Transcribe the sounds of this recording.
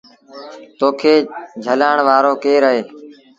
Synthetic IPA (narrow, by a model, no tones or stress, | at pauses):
t̪oːkʰeːd͡ʒʱəlaːɳʋaːɾoːkeːɾəɦeː